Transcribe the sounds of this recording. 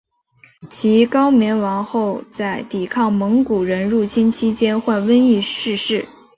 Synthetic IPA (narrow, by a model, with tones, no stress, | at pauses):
t͡ɕʰi˧˥kɑ˥ʊmjɛ˧˥nwɑ˧˥ŋxo˥˧ʊt͡sa˥˩ɪt̪i˨˩kʰɑ˥˩ŋmɤ˧˥ŋku˨˩ɻə˧˥nɻu˥˩t͡ɕʰi˥nt͡ɕʰi˥t͡ɕjɛ˥nxwa˥˩nwə˥ni˥˧ʂɻ̩˥˧ʂɻ̩˥˩